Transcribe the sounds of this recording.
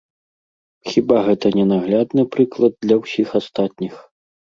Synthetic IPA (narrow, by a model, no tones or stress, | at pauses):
xʲibaɣɛt̪ɐnʲɛnaɣlʲad̪nɨpɾɨklˠɐd̪̚ːlʲɐwsʲixast̪at̪̚ʲnʲix